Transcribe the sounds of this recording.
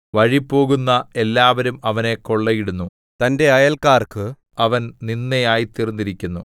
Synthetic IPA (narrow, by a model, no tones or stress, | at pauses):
ʋɐɻipːo̞ːɣunːɐe̞lːaːʋɐɾumɐʋɐne̞ko̞ɭːɐjiɽunːu | t̪ɐnde̞ɐjɐlkaːrkɨ | ɐʋɐnninːejaːjit̪irnːiɾikʲːunːu